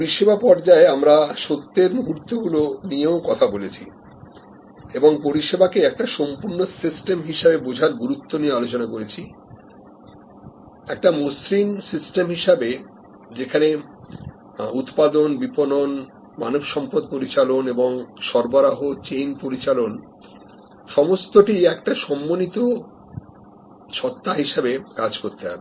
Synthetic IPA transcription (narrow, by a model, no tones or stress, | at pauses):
poɾiʃebapɔɾd͡ʑaeamɾaʃot̪ːeɾmuɦuɾt̪oɡulonijeokɔt̪ʰabolet͡ɕʰi | eboŋpoɾiʃebakeɛk̚ʈaʃompuɾnosisʈemɦiʃabebod͡ʑʱaɾɡuɾut̪ːoniealot͡ɕonakoɾet͡ɕʰi | ɛk̚ʈamusɾinsisʈemɦiʃabe | d͡ʑekʰane | ut̪pad̪onbiponon | manobʃɔmpod̪̚poɾit͡ɕaloneboŋʃɔɾboɾaɦot͡ɕejnpoɾit͡ɕalon | ʃɔmost̪oʈiɛkʈaʃɔmːonit̪o | ʃɔt̪ːaɦiʃabekad͡ʑkoɾt̪eɦa̰be